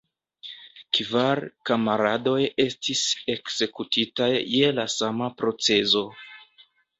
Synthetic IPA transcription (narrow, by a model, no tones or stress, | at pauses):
kvaɾkamaɾado̞je̞stise̞kz̥e̞kutitajːelasamapɾo̞t͡se̞zo̞